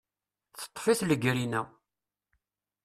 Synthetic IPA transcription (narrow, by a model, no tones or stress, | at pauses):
θə̥t̪ˤːfiθləɡɾinæ